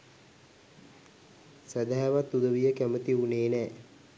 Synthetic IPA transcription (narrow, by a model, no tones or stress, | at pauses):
sæd̪æɦæʋat̪ːud̪əʋijəkæmət̪iuneːnɛː